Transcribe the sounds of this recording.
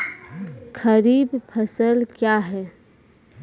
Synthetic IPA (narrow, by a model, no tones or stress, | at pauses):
kʰəɾiːbpʰəsəlkjaɦɛː